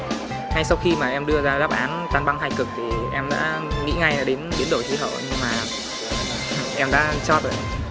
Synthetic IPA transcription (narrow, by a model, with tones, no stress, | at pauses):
ha˧jsa˧wxi˧maː˨˩ʔɛ˧mɗɨ˧əzaː˧ɗaː˦˥p̚ʔaː˨˦nt̪aː˧˩nɓa˧ŋɦaː˧˩jkɨ˨˩k̚t̪ʰi˨˩ʔɛ˧mɗa̰ː˧˥ŋḭ˧˥ŋa˧jaː˧˥ɗe˨˦nɓi˨˦nɗo˧˩jtʰḭ˧˦ɦə̰ː˧˩˨wɲɨ˧ŋmaː˨˩ | ʔɛ˧mɗa̰ː˧˥t͡ɕɔ˦˥t̪o̰˧˨